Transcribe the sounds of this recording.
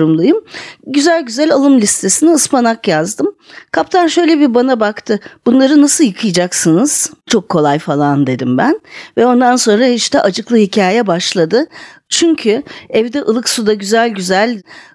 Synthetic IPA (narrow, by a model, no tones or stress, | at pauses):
ɾumlˠujɯmɟyzælʲɟyzælʲalˠɯmlʲist̪ʰe̞siniɯspanakjazd̪ɯmkʰapt̪ʰanʃø̞jlʲebiɾbanabakt̪ʰɯbunlˠaɾɯnasɯlˠjɯkʰɯjd͡ʒaksɯnɯz̥t͡ʃʰo̞kʰːo̞lˠajfalˠand̪e̞d̪imbænvɛo̞nd̪anso̞nɾahiʃt̪ɛʔad͡ʒɯklˠɯɦicʰaːjjɛbaʃlˠad̪ɯ | t͡ʃʰyɲcʰyɛvd̪ɛʔɯlˠɯksud̪aɟyzælʲɟyzælʲ